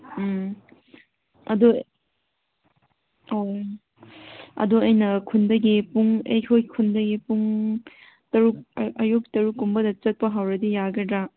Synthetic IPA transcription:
ɐ̰du | o | ɐ̰duɐjnɐkʰundɐɡipuŋejkʰojkʰundɐɡipuŋ | tɐɾuk̚ɐjuktɐɾukːumbɐdɐt͡ʃɐt̚pɐɦawɾɐdijaɡɐdɾa

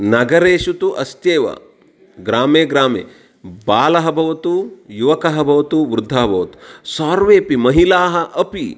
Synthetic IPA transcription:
nɐɡɐɾeːʃut̪uʔɐst̪eːʋɐ̰ | ɡɾaːmeːɡɾaːmḛː | baːlɐɦɐbʱɐʋɐt̪ujuʋɐkɐɦɐbʱɐʋɐt̪uʋɾʊd̪ʱːɐɦɐbʱɐʋɐt̪u̥saːɾʋeːpimɐɦilaːɦɐʔɐpi

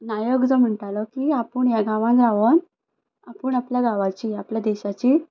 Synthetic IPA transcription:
naːjoːɡd̪ɐmuɳʈaːlokiɐpːuɳeɡaːʋaːnɾaːʋon | ɐpuɳɐplɐɡaːʋaːt͡ʃiɐplɐd̪ɛːɕat͡ʃi

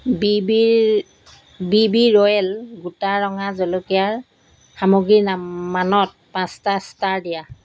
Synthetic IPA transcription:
bibi | bibiɹɔjɛlɡutaɹɔŋazɔlokijaɹ | xamoɡɹinamanɔt̚pãstastaɹdija

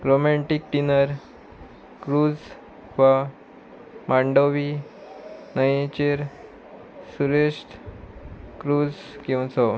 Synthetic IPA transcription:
ɡɾomaʈik̚ʈinəɾ | kɾud͡z | ʋa | mãɳɖoʋi | nəjẽt͡ɕeɾ | suɾesʈ | kɾuːd͡z | kĩãt͡sɔ

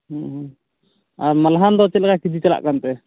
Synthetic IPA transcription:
ɦɦ | aɾmalɦand̪ɔt͡ʃɛt̪̚lɛkakid͡ʒit͡ʃala̰ʔkant̪ɛ

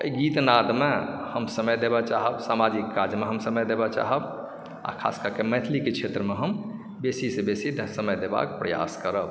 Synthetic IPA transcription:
əiɡit̪nad̪mehəmsəməjd̪ebɛt͡ʃaɦəbsamad͡ʒikːaɾd͡ʒmeɦəmsəməjd̪ebɛt͡ʃa̰ɦəb | a̰kʰa̰skəɾkemɛt̪ʰliket͡ʃʰet̪ɾəmeɦəm | besisebesid̪ʱsəməjd̪eba̰kpɾəja̰skəɾəb

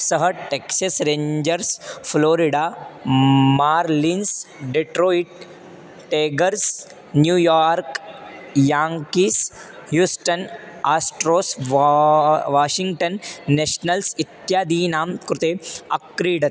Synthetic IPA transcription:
sɐɦɐʈeksɐsɾẽːɲd͡ʒɐɾsfloːɾiɖaː | maːɾlinsɖeʈɾoːiʈ | ʈeːɡɐɾs | njuːjaːɾk | jaːŋkiːshjuːsʈɐnaːsʈɾoːs | ʋaːʃiŋɡʈɐnːeːʃnɐlsit̪jaːd̪iːnaːmkɾʊt̪eːɐkɾiːɖɐt̪

